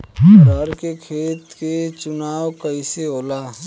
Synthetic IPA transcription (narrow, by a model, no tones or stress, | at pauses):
ɾəɾkekʰeːt̪ket͡ʃʊnaːwkəiseoːlaː